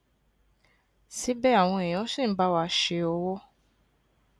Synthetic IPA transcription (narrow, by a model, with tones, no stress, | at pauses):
si˨˦bɛ˦a˦˨w̃ɔ̃˧e˨j̃ã˨˦sĩ˦˨n̩˦ba˦wa˧˦ʃe˧ɔ˧wɔ˦